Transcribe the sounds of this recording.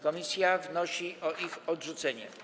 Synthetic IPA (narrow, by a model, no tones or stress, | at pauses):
kɔmʲisʲjavnɔɕiɔʔixɔdʐut̪sɛɲɛ̰